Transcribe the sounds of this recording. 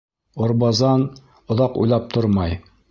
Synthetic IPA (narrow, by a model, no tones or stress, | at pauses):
ŏɾbɑzɑn | ŏðɑqṵjlˠɑp̚t̪ʰoɾmɑj